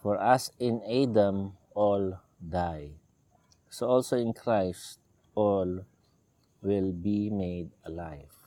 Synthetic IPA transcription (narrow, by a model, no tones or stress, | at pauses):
fɔɹasɪ̃nadə̃m | ɔl | daj | soɔlsoɪ̃nkʰɾaɪst̚ | ɔl | wɪlbimedəlaɪv